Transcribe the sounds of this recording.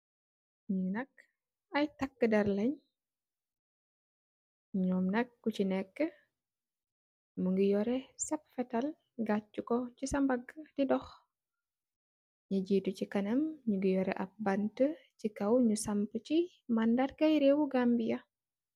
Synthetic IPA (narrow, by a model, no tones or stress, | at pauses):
ɲunɐk̚ | ɐjtɐkːədɐɾlɐɲ | ɲɔːmnɐkːut͡ʃinɛkːə | muŋɡijɔɾɛsɐpfɛtɐl | ɡat͡ʃːukɔcisɐmbɐɡd̥idɔx | ɲɐɟiːtucikɐnɐmɲuɡijɔɾɛ̰ʔɐp̚bɐntəcikɐwɲusampət͡ʃi | mandarkɐjɾewuɡambijɐ